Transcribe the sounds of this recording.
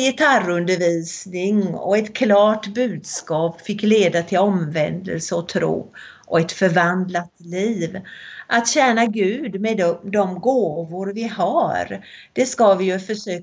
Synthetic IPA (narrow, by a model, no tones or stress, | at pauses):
jɪt̪ʰarɵnd̪əɾviːsnɪŋɔ̰ɛt̪kʰlɑːʈbʉ̟ːd̪skɑːpfɪkːleːd̪at̪ʰɪlɔmvɛnd̪ə̰lsəɔt̪ʰɾṵː | ʔɔɛt̪fœɾvand̪lat̪liːvʔat̪ɕæːnaɡʉ̟ːd̪mɛd̪ɔmɡoːvʊɾvɪhaɾ | d̪̥ɛskavɪjɵfœʂøː